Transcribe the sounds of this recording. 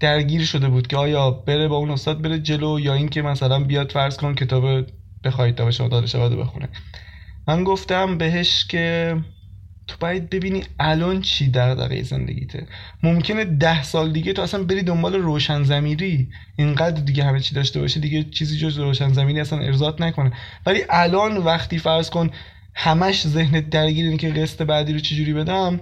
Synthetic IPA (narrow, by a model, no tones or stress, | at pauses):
d̪̥æɾɟiːɾʃo̞d̪e̞buːd̪̥cʰʲeɒːjɒːb̥e̞ɾebɒːuːnost̪ɒːd̪̚be̞ɾed͡ʒe̞lojɒːiŋcʰe̞mæsælænbijɒːd̪fæɾz̥kʰoncʰe̞t̪ʰɒːbe | b̥e̞xɒːid̪̚ɒbeʃomɒ̰d̪ɒːd̪eʃæbæd̪obḛxṵnḛmænɡoft̪æmbe̞ɦe̞ʃcʰe̞ | t̪ʰobæiːd̪̚be̞biːniːælɒːnt͡ʃʰiːd̪æɾd̪æ̰ɣḛjḛzḛnd̪ḛɟḭːt̪ʰḛ | momcʰe̞ne̞d̪æhsɒːld̪iɟet̪ʰoæsænbe̞ɾiːd̪ombɒːle̞ɾoːʃænzæmiːɾiː | ʔeŋɢæːd̪ɾd̪iɟehæmet͡ʃʰiːd̪ɒːʃt̪ebɒ̰ːʃed̪iɟet͡ʃʰiːziːd͡ʒozbeɾoːʃænzæmiːɾiːæsænʔḛɾzɒːt̪nækʰo̞nevæliːʔælɒːnvæxt̪iːfæɾz̥kon | hæmæʃze̞hned̪æɾɟiːɾiːnecʰeɣest̪e̞bæd̪iːɾot͡ʃʰed͡ʒuːɾiːbe̞d̪æm